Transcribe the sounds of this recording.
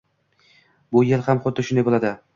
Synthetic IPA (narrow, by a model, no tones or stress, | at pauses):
bʊjelhamχʊt̪ːɪʃʊnd̪ejbolad̪ɪ